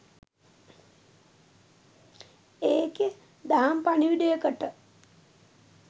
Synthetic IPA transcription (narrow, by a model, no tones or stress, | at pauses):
eːke | d̪aɦampaniʋiɖəjəkəʈə